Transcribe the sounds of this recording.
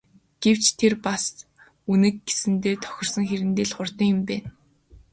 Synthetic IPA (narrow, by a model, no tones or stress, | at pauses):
ɡ̥ew̥t͡ɕt̪ʰerpas | unɘ̆k̚ɡesɘ̆nt̪eːt̪ʰɔ̥xʲɪ̆rsɞ̆ŋxeɾɘ̆nt̪eːɮχʊrt̪ə̆ŋjʊ̆mpæːn